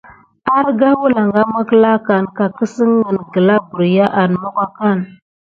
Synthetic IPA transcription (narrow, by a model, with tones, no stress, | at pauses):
a˦ɾɡa˦wu˦la˨ŋɡa˦mə˦kla˦ka˨nka˨kə˦sə˦ŋːə˨nɡə˨la˦bu˨ɾja˦ʔa˨nmo˦ka˦ka˦˨n